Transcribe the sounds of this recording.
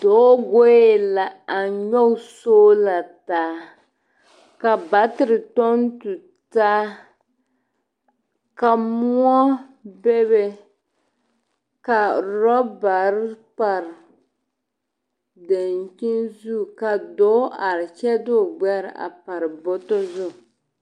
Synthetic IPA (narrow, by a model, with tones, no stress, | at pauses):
d̥o˨˦ɡo˦ɛ˦la˨a˨ɲɔ˦soː˦la˨taː˨˦ | ka˨ba˨tɪ˨ɾɪ˨tɔ˦n˦tu˨ | taː˦ | ka˨mu˦ɔ˦ | be˦be˦ | ka˨ɾɔ˦ba˨ɾɪ˦pa˨ɾɪ˨ | dɛ˨n˨t͡ʃi˦nzu˦˨ka˨dɔː˨˦ʔa˨ɾɪ˨t͡ʃɛ˦dʊ˦˨ɡ͡bɛ˦ɾ̰ʔa̰˨pa˨ɾɨ˨bɔ˦tɔ˦zʊ˦˨